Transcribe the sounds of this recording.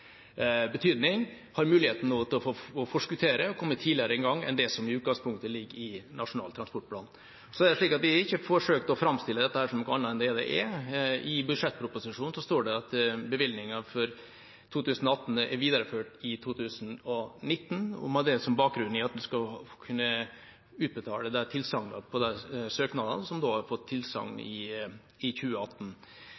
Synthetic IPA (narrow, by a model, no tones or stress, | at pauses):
bət̪ʰyːd̪nɪŋ | hɑɾmʉːlɪheːt̪n̩ɔt̪ʰɪlɔfoɔfɔʂkʉt̪ʰeːɾəɔkʰɔmːət̪ʰiːdlɪəɾəɛŋɡɑŋːɛ̰nd̪ɛsɔmɪʉːt̪ɡɑŋspʰʊŋkt̪əlɪɡːɾɪnʔɑʂʊnɑ̰ːlt̪ʰɾɑnspɔʈ̚pʰlɑ̰ːn | sɔɛdɛʂɭiːkɑt̪ʋɪɑɾɪçːəfɔʂøːkt̪ɔfɾɑmst̪ɪlːəd̪ɛt̪ːəhæːɾʂɔmnɔkːəɑnːəɛnd̪ɛd̪ɛ̰ʔɛɪbʉʂɛt̪ːpʰɾʊpʊsɪʂuːnnsɔst̪oːɖɛɑt̪bəʋɪlnɪŋɑfɔɾ | t̪ʰuːt̪ʉːsn̩ɔɑt̪ːn̩æɾʋiːd̪ɑɾəføːʈɪt̪ʰuːt̪ʰʉːsnɔnɪt̪ːn̩ʊ̰mɑd̪ɛsɔmbɑːk̚ɡɾʉnːɪɑt̪̚d̪ʉskɑkʰʉnːə | ʉːt̪̚bət̪ʰɑ̰ːləd̪æt̪ʰɪlsɑŋnɑ̰pʰɔd̪ɛsøːknɑd̪ɑ̰nsɔmd̪oːhɑɾfɔt̪ʰːɪlsɑ̰ŋnɪ̰ | ɪçʉːəɑt̪ːn